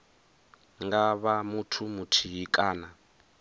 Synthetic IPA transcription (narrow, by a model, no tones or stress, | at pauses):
ŋɡaβamutʰumutʰiɦikʼaːna